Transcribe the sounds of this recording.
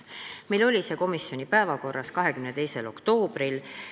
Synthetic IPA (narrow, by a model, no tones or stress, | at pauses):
mejlo̞lʲise̞ːko̞misːjo̞nʲipæevɑko̞rːɑskɑɦe̞kymnet̪e̞jse̞lo̞̰kt̪o̞ːb̥ɾil